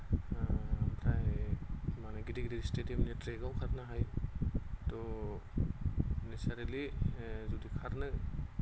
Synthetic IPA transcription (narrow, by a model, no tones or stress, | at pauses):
pʰɾaj | manaɡidiɡidiistediemnitɾeɡawkʰaɾnaɦaj | tɔ | nisaɾilizudikʰaɾnɯ